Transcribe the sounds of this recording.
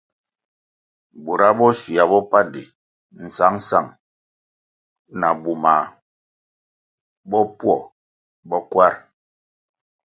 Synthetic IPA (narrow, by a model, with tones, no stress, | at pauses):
bu˨ɾa˦bɔ˦ʃi˨a˨bɔ˦pa˦di˨ | n̩˨sa˨˦ŋ̩˦sa˨ŋ | na˨bu˨ma˨ | bɔ˦pwɔ˦˨ | bɔ˦kwa˦ɾ